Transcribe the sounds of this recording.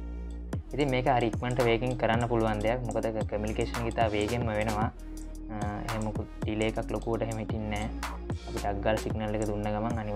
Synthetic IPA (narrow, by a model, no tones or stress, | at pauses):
it̪immeːkəɦaɾiːkməɳʈəʋeːkiŋkəɾanːəpuluʋand̪ejak̚mukəd̪əkəmjunikeːʂənɡit̪aːʋeːɡemːəʋenəʋa | ḛɦemuku | ɖileːkaklokuʋəʈəeɦeməɦit̪inːɛː | ɐpiʈəaɡːaːlɐsiɡnɐlːekəd̪unːəɡamaŋani